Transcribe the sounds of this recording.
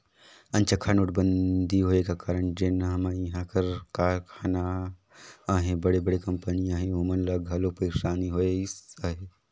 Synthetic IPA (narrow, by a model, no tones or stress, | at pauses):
ɐ̃nt͡ʃʰɐkʰaːnʊʈbənd̪ʱiɦoːekakaːɾəɳd͡ʒeːnɦɐmaːiɦãːkɐɾkaːkʰaːna | aːɦẽbɐɽebəɽekɐ̃mpəniãːɦẽomənlɐɡʱɐlopɐɾɪʃaːniɦoːeɪsaːɦe